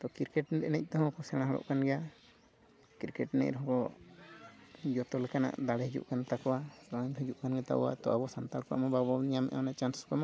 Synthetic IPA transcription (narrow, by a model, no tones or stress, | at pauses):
t̪ɔkiɾkɛʈnɛɾɛnɛc̚t̪ɔɦɔ̃kɔsɛɽ̃aɦaɽɔ̰ʔkanɡɛja | kiɾkɛʈɛnɛ̰cɾɔɦɔ̃kɔ | d͡ʒɔt̪ɔlɛkana̰ʔd̪aɽɛɦid͡ʒṵʔkanat̪akɔwasɔɲɦid͡ʒuʔkanɡɛt̪a̰ʔɔ̰wa̰t̪ɔ̰abɔsant̪alkɔa̰ʔmɔbaɡbɔnijamɛ̰ʔamanat͡ʃansskamɔ